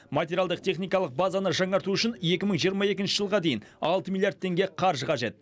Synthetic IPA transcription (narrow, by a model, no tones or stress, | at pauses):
mat̪ʲeɾʲjalˠd̪əq̚t̪ʲʰe̞χnijkɑlˠəq̚bazanəʒɑɴɑɾt̪uʏʃɪne̞kʲɪməɴʒijəɾmɑje̞kʲɪnʃɪʒəlˠʁɑd̪e̞jɪnɑlˠt̪əmʲilʲˠjard̪̚ʰːe̞ŋɡʲe̞qʰɑɾʒəqɑʒe̞t̪̚